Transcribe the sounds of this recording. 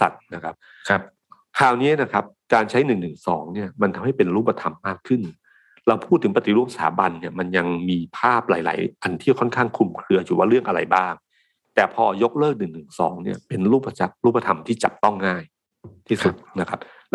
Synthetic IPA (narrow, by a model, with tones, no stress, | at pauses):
sa̰˨˩t̪̚na˦˥kʰa˦˥p̚ʰ | p̚ | kʰaː˨˩wniː˦˥na˦˥kʰa˦˥p̚kaː˧nt͡ɕʰa˦˥jnɯ˨˩ŋnɯ˨˩ŋsɔ̰ː˩˦ŋni˥˩ɐma˧nt̪ʰa˧mha˥˩jpe˧nɾuː˥˩pːa˧t̪ʰa˧mːaː˥˩kʰːɯ˥˩n | ɾa˧wpʰuː˥˩t̪ʰːɯ˩˦ŋp̬a˧t̪i˨˩ɾu˥˩psaaː˩˦ba˧nːi˥˩ɐma˧nja˧ŋmiː˧pʰaː˥˩p̚la̰ː˩˦jla̰ː˩˦jʔa˧nt̪ʰiː˥˩kʰɔ˥˩nkʰaː˥˩ŋkʰu˧mkʰɾɯ˧ɐt͡ɕʰu˨˩waː˥˩ɾɯ˥˩əŋʔa˧ɾa̰˧jbaː˥˩ŋ | t̪ɛː˨˩pʰɔː˧jo˦˥k̚lɤː˥˩k̚nɯ˨˩ŋnɯ˨˩ŋsɔ̰ː˩˦ŋni˥˩ɐpe˧nɾuː˥˩pːa˧t͡ɕa˦˥k̚ɾuː˥˩p̚ːa˧t̪ʰa˧mt̪ʰiː˥˩t͡ɕa̰˨˩p̚t̪ɔ˥˩ŋːaː˥˩j | t̪ʰiː˥˩su˨˩t̪̚na˦˥kʰa˦˥p̚